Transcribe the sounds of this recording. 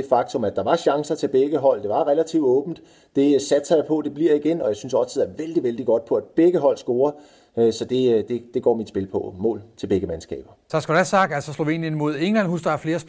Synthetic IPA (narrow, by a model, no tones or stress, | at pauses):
efɑ̈ɡ̥̚t͡sʰo̽mæd̥ɑ̈ʋɑ̈ɕɑ̈ŋsɐt͡sʰe̝lb̥eɡ̥əɦɒ̽l̰d̥e̝ʋɑ̈ʁɛlæt͡sʰiʊdɔ̽ːb̥n̩d̥ | d̥e̝sæd̥sɐjapʰɒ̽d̥e̝b̥liɐ̰iɡ̥enɒ̽jɑ̈ɪsynsɒ̽lt͡sʰeð̩̰ˠæɐʋeld̥iʋeld̥iɡ̥ɒ̽d̥̚pʰɒ̽æd̥̚b̥eɡ̥əɦɒ̽l̰sɡ̥o̝ːɐ | øsɒ̽d̥e̝d̥e̝d̥e̝ɡ̥ɒ̰ːmid̥sb̥e̝lpʰɒ̽mɔ̰ːlt͡sʰe̝lbeɡ̥əmænsɡ̥ɛ̰ːb̥ɐt͡sʰɑsɡ̥odæsɑ̈ɡ̥d̥ælsɒslo̝ʋe̝̰ːnjənmo̝ð̞̰ˠeŋlænhusd̥ɑæɐfle̝ːɐs